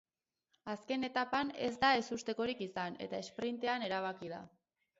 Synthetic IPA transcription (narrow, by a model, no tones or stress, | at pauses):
aske̞ne̞t̪apane̞zd̪ae̞sust̪e̞ko̞ɾikisane̞̰t̪ae̞spɾint̪e̞ane̞ɾaβ̞akiða